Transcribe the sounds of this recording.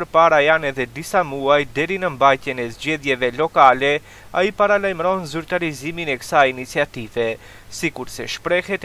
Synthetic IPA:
pəɾpaɾajanɛðɛd̪isamuajd̪ɛɾinəmbajt̪jɛnɛzd͡ʑɛðjɛvɛlɔkalɛ | aipaɾalajmɾɔnzyɾt̪aɾiziminɛkə̥sainit͡siat̪ivɛ | sikuɾsɛʃpɾɛhɛt̪

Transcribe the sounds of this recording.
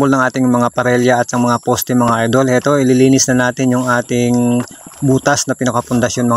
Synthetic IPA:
bolnɐŋʔaːt̪ɪŋmɐŋapɐɾɛljɐʔɐt̪ɐŋmɐŋapost̪ɛmɐŋaʔɐjd̪o̞lɛt̪o̞ʔɪlɪliːnɪsnɐnaːt̪ɪnjʊŋaːt̪ɪŋbuːt̪ɐsnɐpɪnɐkɐpʊnd̪ɐʃjo̞nmɐ

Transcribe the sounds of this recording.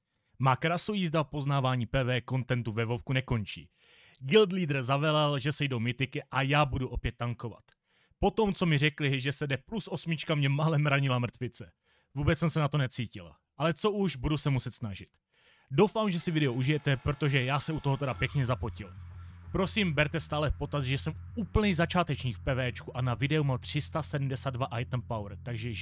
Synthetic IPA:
maːkɾasojiːzdapo̞znaːvaːɲiːpɛːvɛːko̞nt̪ɛnt̪uvɛvofkunɛko̞nt͡ʃḭː | ɡɪld̪liːd̪r̩zavɛlɛlʒɛsɛjdowmɪt̪ɪkɪʔajaːbuduʔo̞pjɛt̪ːaŋko̞va̰t̪ | po̞t̪o̞mt͡so̞mɪr̝ɛklɪʒɛsɛdɛplusʔo̞smɪt͡ʃkamɲɛmalɛmɾaɲɪlamr̩t̪vɪt͡sɛ | vuːbɛt͡ssɛmsɛnat̪o̞nɛt͡siːcɪ̰l | ʔalɛt͡so̞ʔuʒbudusɛmusɛt̪snaʒɪt̪ | do̞wfaːmʒɛsɪvɪdɛoʔuʒɪjɛt̪ɛpɾo̞t̪o̞ʒɛjaːsɛut̪o̞ɦot̪ɛdapjɛkɲɛzapocɪlpɾo̞simbɛɾt̪ɛst̪aːlɛpo̞t̪asʒɛsɛmfuːpl̩ɲɛjzat͡ʃaːt̪ɛt͡ʃɲiːkfpɛvɛːt͡ʃkuʔanavɪdɛumamt̪r̝̥ɪst̪asɛdm̩dɛsaːd̪̚vaʔajt̪npawɾt̪aɡʒɛ

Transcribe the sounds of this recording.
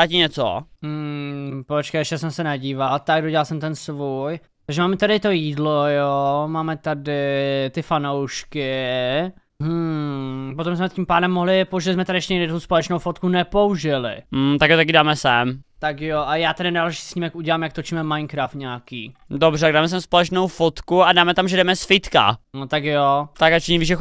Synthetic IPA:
acɪɲɛt͡so̰ | pot͡ʃkɛjɛʃcɛsɛmsɛnaɟiːvalt̪aɡ̚doɟɛlalsɛmt̪ɛnsvuj | t̪aɡʒɛmaːmɛt̪aɾɪt̪ojiːdlojomaːmɛt̪adɪt̪ɪfanowʃkɪ | ɦm̩ | pot̪omsmɛcʲimpaːdɛmːoɦlɪpouʒɪlɪzmɛt̪aɾɪɛʃcɛɲɛɡdɪd̪t̪t̪uspolɛt͡ʃnowfot̪kunɛpouʒɪlɪ̰m̩t̪akjot̪akɪdaːmɛsɛmt̪akjoʔajaːt̪adɪnaːlɛʃi̥sɲiːmɛkuɟɛlaːmjak̚t̪ot͡ʃimɛmajnkɾaːft̪ɲaakḭːdobrɛt̪aɡdaːmɛs̬ɛmspolɛt͡ʃnowfot̪kuadaːmɛt̪amʒɛdɛmɛsfɪt̪ka̰not̪akjot̪akat͡ʃɛɲiviʒɛ

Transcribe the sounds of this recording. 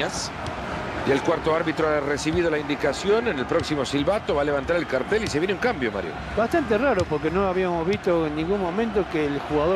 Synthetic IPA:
as | jelkwaɾt̪oaɾβit̪ɾoaresiβið̞o̞laind̪ikasjo̞nenelpɾo̞ksimo̞silβat̪o̞βaleβant̪aɾe̞lkaɾt̪eliseβjeneuŋkambjoma̰ɾjo̰ | bast̪ant̪̬eraɾopoɾk̬enoaβiamozβist̪oenːĩŋɡunmõ̞mẽnt̪okeːlxuɣaðo

